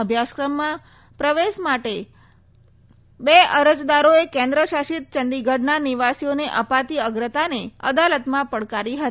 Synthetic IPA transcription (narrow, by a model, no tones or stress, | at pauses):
əbʱjaskɾəmːã | pɾəʋeʃmaʈe | beəɾəd͡ʒd̪aɾoekẽnd̪ɾəʃaʃit̪̚t͡ʃənd̪iɡʱəɖnaniʋasioneʔəpat̪iəɡɾət̪aneə̰d̪alət̪mãpəɽkaɾiɦət̪i